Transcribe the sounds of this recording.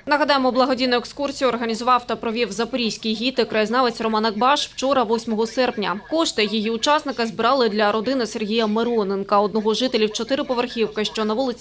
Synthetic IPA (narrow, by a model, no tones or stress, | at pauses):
nɐɦɐd̪ɑjemɔblˠɐɦɔdʲijnʊekskursʲijʊɔrɦɐnʲizʊʋɑwt̪ɐpɾɔʋʲiwzɐpɾʲijsʲkʲijɦʲit̪ɪkɾɐjɪznɑʋet͡sʲrɔmɑnɐɡ̚bɑʃw̥t͡ʃɔɾɐʋɔsʲmɔɦɔsɛrpnʲɐkɔʃt̪ɪjɔjiʊt͡ʃɑsnɪkɐzbɪɾɑlˠɪd̪lʲɐɾɔd̪ɪnɪserɦʲijɐmeɾɔnenkɐɔd̪nɔɦɔʒɨt̪elʲiwt͡ʃɔt̪ɪɾɪpɔʋerxʲiwkɪʃt͡ʃɔnɐʋulˠɪt͡sʲ